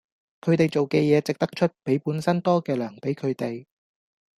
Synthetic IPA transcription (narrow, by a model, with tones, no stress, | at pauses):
kʰɵ˨˧ɥt̪e˨˩jt͡so˨wkɛː˧jɛː˨˧t͡sɪ˨k̚t̪ɐ˥k̚t͡ʃʰɵ˥t̚pe˨˥jpuː˨˥nsɐ˥nt̪ɔː˥kɛː˧lœː˨˩ŋpe˨˥jkʰɵ˨˧ɥt̪e˨j